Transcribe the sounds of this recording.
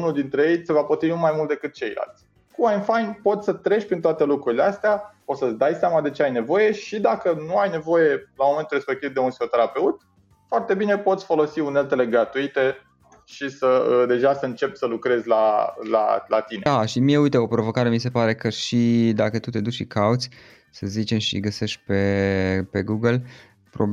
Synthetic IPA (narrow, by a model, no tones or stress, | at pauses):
unuld̪int̪ɾeje̞jsevapot̪ɾivinumajmult̪̚d̪e̞kɨt̪̚t͡ʃe̞jla̰lt̪sʲ | kuajnfajnpo̞t̪sʲsət̪ɾe̞ʃpɾint̪oat̪e̞lukɾuɾileast̪ea | ot̪səd̪ajseamad̪e̞t͡ʃe̞ajne̞vo̞je̞ʃid̪akənuajne̞vo̞je̞lamoment̪uɾre̞spe̞k̚t̪ivd̪eunfi̥xo̞t̪e̞ɾape̞ut̪ | foart̪e̞bine̞po̞t̪sʲfo̞lo̞siune̞lt̪e̞le̞ɡɾat̪uit̪e̞ | ʃisəəd̪e̞ʒasəɨnt͡ʃe̞psəlukɾe̞zʲlala̰lat̪ineaʃimie̞ujt̪eo̞pɾo̞vo̞kaɾe̞mise̞paɾe̞kəʃid̪akət̪ut̪e̞d̪ut͡ʃʃikaut̪sʲ | səzit͡ʃe̞mʃḭɡəse̞ʃt̪̚ʲpepe̞ɡuɡəl | pɾo